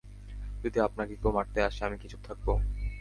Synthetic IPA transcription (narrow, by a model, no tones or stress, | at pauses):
d͡ʑod̪iapnakekomaʈ̚t̪eaʃeamikit͡ɕʰu̥k̚t̪ʰak̚bo